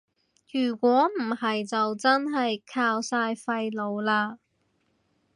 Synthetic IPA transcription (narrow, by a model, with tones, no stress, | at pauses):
jyː˨˩kʷɔː˨˥m̩˨˩hɐ˨jt͡sɐ˨wt͡sɐ˥nɦɐ˨jkʰaː˧wsaː˧jfɐ˧jlo˨˧wlaː˧